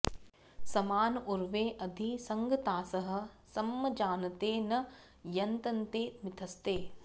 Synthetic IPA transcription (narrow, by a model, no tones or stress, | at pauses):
sɐmaːnuɾʋeːʔɐd̪ʱisɐŋɡɐt̪aːsɐɦɐ̆sɐmːɐd͡ʒaːnɐt̪eːnɐ | jɐnt̪ɐnt̪eːmɪt̪ʰɐst̪eː